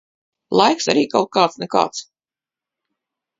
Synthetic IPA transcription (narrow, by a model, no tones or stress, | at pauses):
lˠajksa̰ɾiːkawt̪̚kaːt̪snɛka̰ːt̪s